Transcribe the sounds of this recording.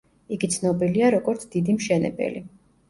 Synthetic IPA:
iɡit̪sʰnɔbiliaɾɔɡɔɾt̪sʰd̪̥id̪imʃɛnɛ̰bɛ̰li

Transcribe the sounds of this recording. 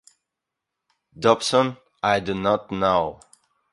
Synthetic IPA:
dɔpsə̃n | aɪdunɔtnoʊ

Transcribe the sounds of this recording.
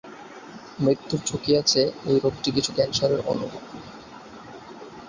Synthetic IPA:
mɾit̪ːuɾt͡ɕʰukiat͡ɕʰeojɾok̚ʈikit͡ɕʰukɛnʃaɾeɾʔo̰nubʱob

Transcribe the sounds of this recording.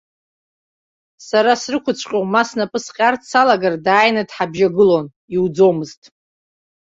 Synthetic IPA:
saɾasrɨkʷʰʊt͡sʷʰʼqʲʼowmasnapʼɨsqʲʼartʰsalaɡardaːjnadħabʒaɡɨlo̞n | iwd͡zo̞mɨztʼ

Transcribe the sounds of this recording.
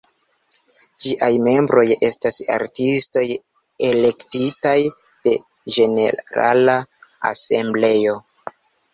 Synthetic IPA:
d͡ʒiʔajme̞mbɾʔo̞je̞stasa̰ɾtisto̞j | ele̞ktitaj | d̥e̞ | ʒe̞ne̞̰ɾa̰laa̰se̞mble̞jo̞

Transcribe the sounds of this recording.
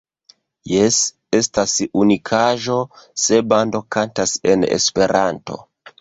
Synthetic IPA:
jes | e̞stasunikʰaʒo̞se̞bando̞kantase̞nḛspe̞ɾʔanto̞̰

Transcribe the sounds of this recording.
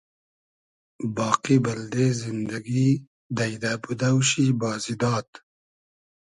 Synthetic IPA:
bɑːqibɐld̪ezind̪ɐɡi | d̪ɐjd̪aːbud̪awɕibɑːzid̪ɑːt̪

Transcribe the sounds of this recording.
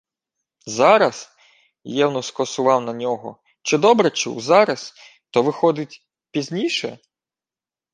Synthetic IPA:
zɑɾɐs | jɛwnɔskɔsʊʋɑwnɐnʲɔɦɔ̰ | t͡ʃɪd̪ɔbɾɛt͡ʃɪ̰wzɑɾɐs | t̪ɔʋɪxɔd̪ɪtʲ | pʲizʲnʲijʃɛ

